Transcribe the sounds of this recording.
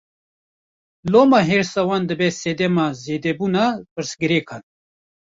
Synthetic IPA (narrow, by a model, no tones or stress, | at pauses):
loːmaːɦeːɾsawaːnd̪ɨbɛseːd̪ɛmaːzeːd̪ɛbuːnapɨɾsɡɨɾeːkʰaːn